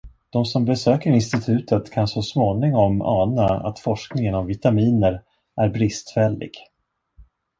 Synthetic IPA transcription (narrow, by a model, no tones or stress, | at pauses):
d̪̥ɔmsɔmbɛsøːkəɾɪnst̪ɪt̪ʰʉ̟ːt̪ʰət̪kʰansɔsmoːnɪŋɔmɑ̰ːnaa̰t̪fɔʂknɪŋənɔmvɪt̪amiːnəɾ | ʔæɾbɾɪst̪fɛlːɪ̰ɡ̥